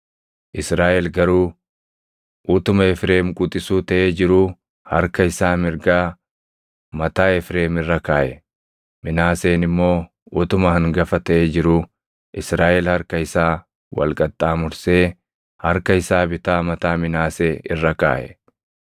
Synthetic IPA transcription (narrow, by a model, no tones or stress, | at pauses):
ʔɪsɾaːʔɛlɡɐɾuː | ʔut̪ʊmɐɛfɾe̞ːmkʼʊt̪ʼɪsuːt̪ɐʔeːd͡ʒɪɾuː | hɐɾkɐɪsaːmɪɾɡaː | mɐt̪aːɛfɾe̞ːmɪrːɐkaːʔɛ | mɪnaːseːnɪmːo̞ː | ut̪ʊmɐhɐŋɡɐfɐt̪ɐʔeːd͡ʒɪɾuː | ʔɪsɾaːʔɛlhɐɾkɐɪsaː | wɐ̰lkʼɐt̪ʼːaːmʊɾse̞ː | hɐɾkɐɪsaːbɪt̪aːmɐt̪aːmɪnaːseːɪrːɐka̰ːʔɛ̰